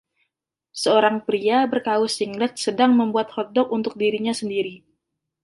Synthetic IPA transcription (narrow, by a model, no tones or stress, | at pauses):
səoɾaŋpɾiabərkaʊsiŋlɛt̪̚sədaŋməmbuat̪̚hɔt̪̚dɔkunt̪ʊk̚diɾiɲasəndiɾi